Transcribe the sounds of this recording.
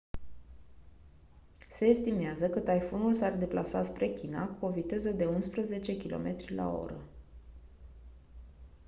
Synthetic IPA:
se̞ːst̪imeazəkət̪ajfonulsard̪e̞plʔasat̪spɾe̞kʲinakuo̞vit̪e̞zəd̪e̞unspɾəze̞t͡ʃe̞kʲilo̞̰mʔe̞t̪ɾʲla̰o̞̰ɾə̰

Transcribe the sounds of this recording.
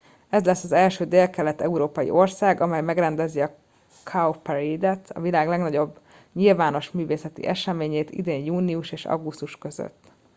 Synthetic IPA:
ɛzlɛsːɒzɛlʃøːd̪eːlkɛlɛt̪ɛuɾoːpɒjḭʔo̞rsaːɡɒmɛjmɛɡrɛnd̪ɛziɒ | kʰaopɛɾeːd̪ɛt̪ʰɒ̰vilaːɡlɛɡnɒɟo̞bː | ɲilvaːno̞ʃmyːveːsɛt̪ḭʔɛʃɛmeːɲeːt̪ḭd̪eːɲjuːniuʃeːʃɒ̰ɡust̪uʃkø̞zø̰t̪ː

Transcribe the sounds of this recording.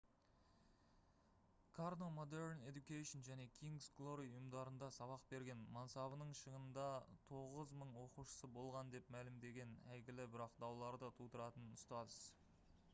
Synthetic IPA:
kʰaɾnomod̪e̞ɾne̞d̪ukʲejʃonʒæne̞kʲʰiŋɡsɡlˠo̞ɾijʊjəmd̪ɑɾənd̪ɑsɑβɑq̚be̞ɾɡʲenmɑnsɑβənəɴʃəʁənd̪ɑt̪ʰo̞ʁəzməɴwo̞quʃə̥səbo̞lˠʁɑnd̪e̞pmælɪmd̪e̞ɡʲe̞næjɡʲɪlɪbɪɾɑqd̪ɑwlˠɑɾd̪ət̪ʰut̪əɾɑt̪ənʊst̪ɑz̥

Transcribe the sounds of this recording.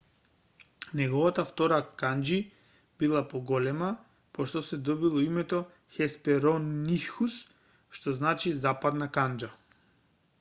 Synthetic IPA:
nɛɡɔvat̪aft̪ɔɾakand͡ʒi | b̥ilˠapɔɡɔlɛma | pɔʃt̪ɔsɛd̪ɔbilˠɔimɛt̪ɔ | xɛspɛɾɔnːixus | ʃt̪ɔznat͡ʃizapad̪nakand͡ʒa

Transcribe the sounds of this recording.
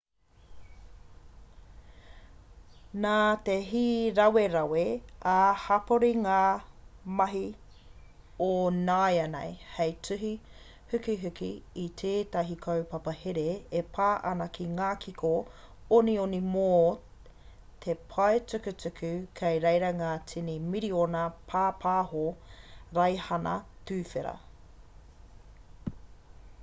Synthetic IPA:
naːt̪eɦiːɾɐweɾɐweahɐpoɾiŋaːmɐɦi | onajɐnḛjhejt͡sʉɦi | hʉkiɦʉkḭːtʰeːtɐɦikʰɐwpɐpɐheɾeepʰaːʔɐnɐkʰiŋaːkʰikʰo | onionimoː | tʰepʰɐet͡sʉkʉt͡sʉkʰʉkʰɐjɾejɾɐŋaːt͡sʰinimiɾionɐpʰaːpʰaːhoɾɐjhɐnɐ̰tʉːfeɾɐ̰

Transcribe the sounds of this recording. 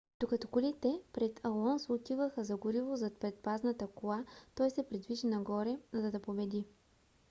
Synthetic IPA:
d̪̥okɐt̪ɔkʊlit̪ɛpɾɛt̪ʰɐlˠɔnsʊt̪ivəxəzɐɡʊɾivozɐt̪̚pɾɛt̪̚paznɐt̪əkolˠat̪ɔjsɛpɾɛd̪viʒinɐɡɔɾɛzɐd̪ɐpobɛd̪i

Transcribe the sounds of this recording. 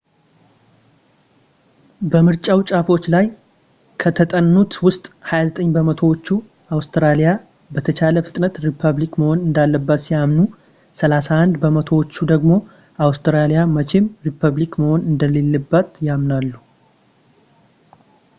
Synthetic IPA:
bəmɨɾt͡ʃʼawt͡ʃʼafo̞t͡ʃːlaj | kʰət̪ʰət̪ʼənːut̪wʊst̪ʼhajazət̪ʼəɲːbəmət̪ʰo̞wot͡ʃːu | ʔawst̪ʰɾalija | bət̪ʰət͡ʃʰaləfɨ̥t̪ʼnət̪ɾipʰəβlikməho̞nɨnd̪alːəbːət̪sijamnu | səlasahand̪bəmət̪ʰo̞wot͡ʃːud̪əɡmo̞ | ʔawst̪ɾalijamət͡ʃʰemɾipʰəβlikməho̞nɨnd̪əle̞lːɨbːət̪jamnalːu

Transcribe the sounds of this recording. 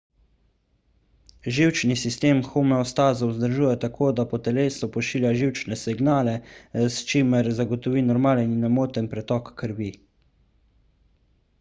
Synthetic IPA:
ʒiwt͡ʃnisist̪eːmxumɛɔst̪aːzɔwzd̪əɾʒuːjɛt̪akʰoːd̪apɔt̪ɛleːsɔpɔʃiːljaʒiwt͡ʃnɛsiɡnaːlɛst͡ʃimɛɾzaɡɔt̪ɔʋiːnɔɾmaːləninɛmoːt̪ənpɾɛt̪ɔːkːəɾʋi

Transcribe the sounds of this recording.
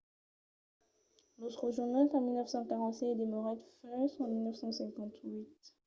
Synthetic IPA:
not̪χəʒuʁnalkɑ̃milnəfsɑ̃kaʁɑ̃t̪sɛd̪emɔʁɛt̪fɛ̃sɑ̃milnəfsɑ̃sɛ̃kɑ̃t̪ɥit̪

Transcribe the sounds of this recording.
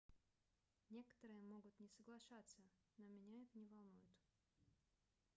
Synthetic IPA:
nʲe̞kə̥t̪əɾɨjəmo̞ɡʊt̪nʲɪsəɡlˠɐʂat̪sːə | nomʲɪnʲaɛt̪ənʲɪvɐlˠnujʊt̪

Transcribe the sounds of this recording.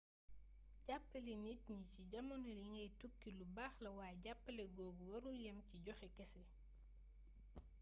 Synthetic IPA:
ɟapːəlenitɲiciɟɐmɐnɐliŋɡɐjtukːilubaːxlɐwaːɟapːɐlɛɡɔːɡuwɐɾuljɛmciɟɔxɛkɛsɛ

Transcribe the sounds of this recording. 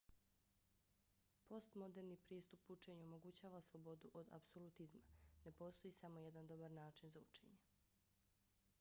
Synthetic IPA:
po̞st̪mo̞d̪e̞ɾnipɾiːst̪uput͡ʃe̞ɲuomo̞ɡut͡ɕaːʋaslˠobo̞d̪uʔo̞d̪a̰psolˠut̪izmane̞po̞ːst̪ojisamo̞jed̪and̪o̞baɾnaːt͡ʃinzaut͡ʃe̞ːɲe

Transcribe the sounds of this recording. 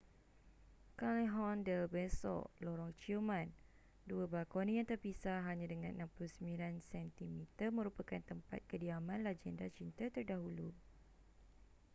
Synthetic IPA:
kaleɦɔ̃ndəbɛsɔ̰ʔlɔɾɔŋt͡ʃiumãn | duəbakɔnĩjãŋt̪ərpisaɦaɲãdəŋãnʔnãmpuluhsəmbilansɛnt̪imit̪əmə̃ɾupakant̪əmpa̰t̪̚kədiamãnlad͡ʒɛndat͡ʃint̪ət̪ərdaɦulu

